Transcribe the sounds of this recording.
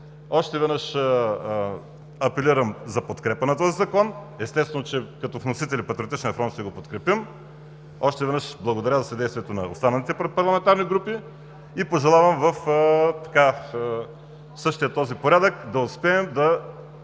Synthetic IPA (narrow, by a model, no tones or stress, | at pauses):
ɔʃt̪ɛvɛd̪nɤʃ | ɐpɛliɾɐmzɐpot̪kɾɛpənɐt̪ɔzizɐkɔn | ɛst̪ɛsvɛnot͡ʃɛkɐt̪ɔvnosit̪ɛlipɐt̪ɾiot̪it͡ʃnʲɐfɾɔnt̪ʃt̪ɛɡopot̪kɾɛpim | ɔʃt̪ɛvɛd̪nɤʃblˠɐɡod̪ɐɾʲazɐsɐd̪ɛjst̪vʲiɛt̪onɐo̰st̪anɐlit̪ɛpɐɾlˠɐmɛnt̪aɾniɡɾupi | ipoʒɛlˠavɐmvɐft̪ɐ̥ka | sɤʃt̪ijət̪ːɔzipoɾʲad̪əkd̪ɐʊspɛːmd̪ɐ